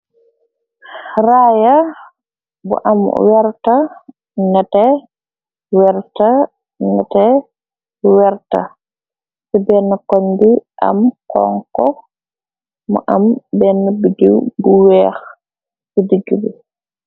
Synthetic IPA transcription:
ɾaːja | bɔ̰ʔam̰wɛɾta | nɛtɛ | wɛɾta | nɛtɛ | wɛɾta̰ | sibɛnːɛkondiʔa̰mkɔ̰ŋkɔ | mɔ̰ʔambɛnːɛbidiwbuwɛx | sidiɡibɛ

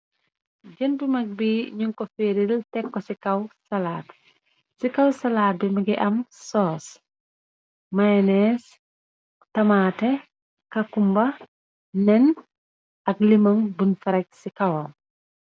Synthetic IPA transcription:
ɟəndumɐk̚biːɲuŋkɔfeːɾiltɛkːɔsikɐwsɐlaːt | sikɐwsɐlaːbimɐɡiʔɐmsɔːs | mɐjnɛs | tɐmaːtɛ | kɐkumbɐ | nɛn | ɐk̚limɐmbunfɐɾɐc̚sikɐwɐm

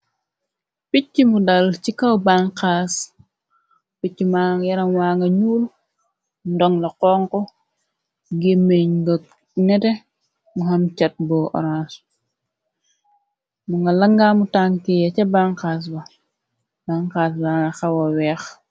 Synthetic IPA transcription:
picːimudɐlt͡ʃikɐwbaŋkas | picːimajɐɾɐŋwaːŋɡɐɲuːl | ndɔŋlɐqɔŋkɔ | ɡemːeɲɡɐk | nɛtɛ | muɦɐmt͡ʃɐt̚bɔʔɔ̰ɾans | muŋɡɐlɐŋɡaːmutaŋkijɐt͡ʃɐbaŋkaːs̬bɐ | baŋkaːs̬baŋɡɐxɐwɐwɛːx

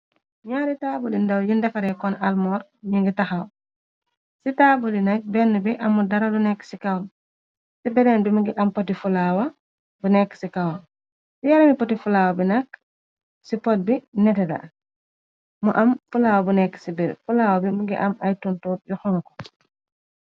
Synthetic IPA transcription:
ɲaɾitaːbulindawjindɛfaɾɛkɔnalmɔːɾɲiŋɡitaxaw | sitaːbulinɐk̚bɛnːubiʔɐmːudɐɾalunɛkːsikawn | sibɛɾɛnbimuɡiʔɐmpotifulaːwɐ | bunɛkːsikawn | sijaɾɐmipotifulawabinɐk | sipɔt̚binɛtɛda̰ | muʔɐmfulawabunɛkːsibiɾfulaːwabimuɡiʔɐmajtuntuːt̚juxɔŋkɔ̥

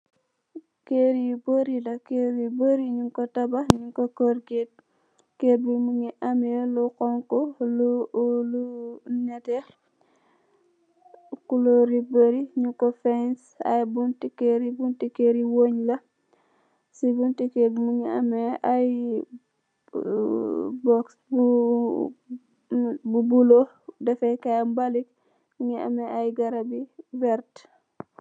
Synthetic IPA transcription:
keɾiboɾilɐkeɾiboɾiɲuŋkotabaɲuŋkokoɾɡet̚ | kebimuŋiʔameluqɔŋkolulunete | kuloɾiboɾiɲuŋkofens | a̰jbuntikːeɾibuntikeɾiwoɲlɐ | sibuntikemuɲiɐ̰mɛaj | bɔksbu | bubulo | dɛfɛjkambalik̚ | ɲiɐ̰mɛʔajɡɐɾabivɛɾt

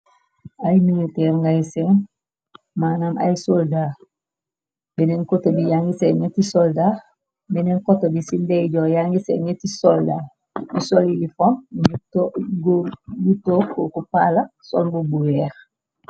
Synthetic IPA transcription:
ajmilitɛːɾŋɡajisen | maːnamʔa̰jisolda | benenkotobijaŋɡiseɲetisolda | benenkotobisindeɟojaŋɡisḛɲetisolda | nisolilifontoɡɡutokokupalaso̰lbubuwɛːɾ

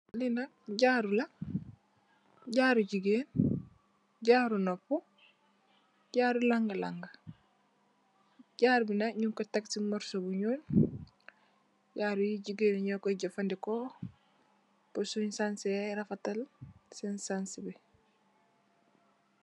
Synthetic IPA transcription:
linakɟaːɾula | ɟaːɾuɟiɡeːn | ɟaːɾunopːu | ɟaːɾulaŋɡɐla̰ŋɡa | ɟaːɾbinaɲuŋkotaksimɔɾsobuɲuːn | ɟaːɾujiɟiɡeːnɲokoɟafandiko | posuɲsansiaɾafatalsensansibe

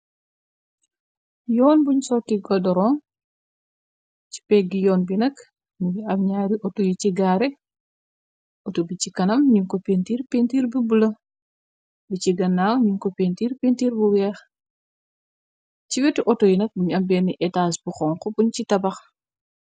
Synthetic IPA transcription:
jɔːnbuɲsɔkːiɡɔdɔɾɔːn | ci̥pɛɡːijɔːnbinɐk | muɡiɐbɲaːɾiʔɔtojiciɡaːɾɛ | otubicikɐnɐmɲuŋkɔpentiːɾpentiːɾbibulɐ | biciɡɐnːaːwɲuŋkɔpentiːɾpentiːɾbuwɛːx | ciwɛtiʔɔtɔjinɐk̚buɲɐmbɛnːiʔɛtaːsbuxɔːŋkɔbuɲt͡ʃitɐbɐx

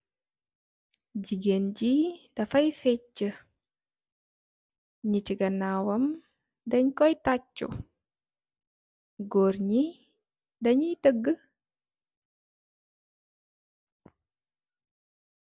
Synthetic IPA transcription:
ɟiɡenɟidɐfɐjfɛt͡ʃːə | ɲiciɡɐnaːwɐm | dɐɲkɔjtacːṵ | ɡɔːrɲi | dɐɲitəɡːə

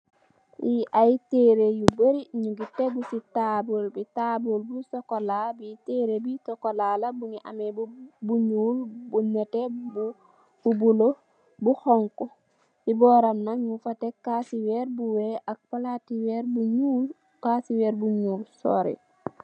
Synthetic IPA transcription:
jiʔajteɾejubəɾiɲuɡiteɡusitabulbitabulbusɔkolabiteːɾebisɔkolalabuŋiʔa̰mebubuɲuːlbunɛtebu | bubulo | buhɔŋku | sibɔːɾamnaɲufatekaːsiweɾbuweʔak̚palatiweɾbuɲul | kasiwɛːɾbuɲuːlsɔ̰ɾḛ

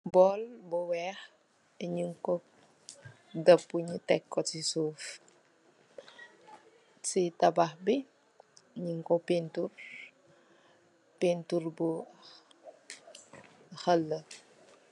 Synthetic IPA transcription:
bɔːlbɔwɛːx | iɲiŋkɔ | dəpːuɲutɛkːɔtisuːf | sitɐbaxbi | ɲiŋkɔpintur | pinturbu | xəlːə

